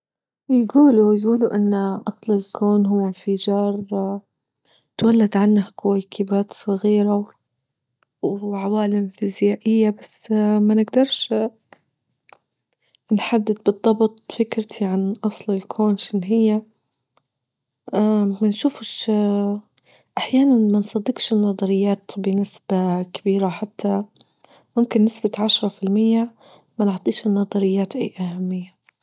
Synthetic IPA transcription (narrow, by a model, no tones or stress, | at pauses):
jɡuːlujɡuːluʔɪnːʔɑsˤlɪlkʰoːnɦʊwːɪnfɪd͡ʒɑːɾˤ | t̪walːad̪ʕanːahkojkʰɪbaːt̪sˤɑɣiːɾa | wʕawaːlɪmfɪzjaːʔɪjːabasmanɪɡd̪ɑɾˤʃ | nħad̪ːɪd̪̚bɨd̪ˤːɑbt̪ˤfɪkɾt̪ʰiʕanʔɑsˤlɪlkʰoːnʃɪnːɦɪjːa | manʃuːfʃ | ʔaħjaːnanmansˤɑd̪ːɪɡʃɪnːɑd̪ˤɑɾɪjːaːt̪bɪnɪsb̥akabiːɾaħat̪ʰːa | mʊmkɪnːɪsbat̪ʕaʃɾˤɑfɪlmɪjːa | manɪʕt̪ˤiːʃɪnːɑd̪ˤɑɾɪjːaːt̪ʔḛːʔahamːɪjːa